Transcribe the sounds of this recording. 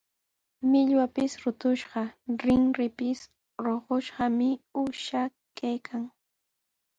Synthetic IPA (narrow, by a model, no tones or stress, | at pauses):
mɪʎwapɪsɾʊt̪ʊʃɢɑɾɪŋɾɪpɪs | ɾoɢoʃɢɑmɪʊʃa | kajkʰaŋ